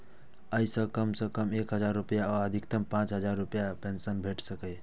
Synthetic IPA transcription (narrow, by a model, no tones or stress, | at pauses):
əjsə̃kəmsə̃kəmekɦəd͡ʒaɾːupjaɔəd̪ʱik̚t̪əmpãt͡ʃɦəd͡ʒaɾːupjapẽnsənbʱeʈʰsəkəj